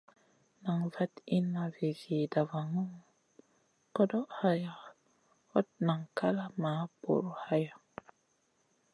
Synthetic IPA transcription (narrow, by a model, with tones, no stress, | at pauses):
na˨ŋva˦ti˦na˨vi˨vi˨da˨va˨ŋo˦ | ko˦do˦ʔha˦ja˨ | ho˦t̚na˨ŋka˦la˦ma˨˦bo̰˨ɾo˨ha˦ja˨